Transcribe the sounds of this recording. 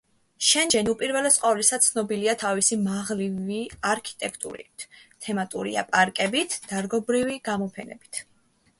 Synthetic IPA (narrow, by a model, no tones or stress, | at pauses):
ʃɛnd͡ʒɛnupʼiɾvɛlɛsqʼɔvlisat̪sʰnɔbiliat̪ʰavisimaʁliviaɾkʰi̥t̪ʼɛkʰt̪ʼṵɾḭt̪ʰɛmat̪ʼṵɾḭa̰pʼaɾkʼɛbit̪ʰd̪̥aɾɡɔbɾiviɡ̥amɔpʰɛnɛ̰bit̪ʰ